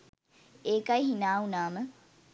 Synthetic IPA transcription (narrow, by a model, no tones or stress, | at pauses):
eːkajɦinaːunaːmə